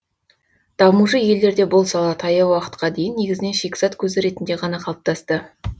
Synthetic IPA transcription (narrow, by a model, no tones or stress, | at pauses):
d̪̥ɑmuʃəje̞ld̪e̞ɾd̪e̞bolˠsɑlˠɑt̪ʰɑjɑwɑqə̥t̪qɑd̪e̞jɪnːe̞ɡʲɪzɪne̞nʃekʲsɑt̪kʲʰɵzɪɾe̞t̪nd̪e̞ʁɑnɑqʰɑlˠəp̚t̪ɑst̪ə